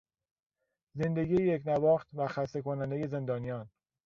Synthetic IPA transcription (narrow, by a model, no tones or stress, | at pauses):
ze̞nd̪eɡijejecnævɒːxt̪væxæsekʰonænd̪eje̞ze̞nd̪ɒːnijɒːn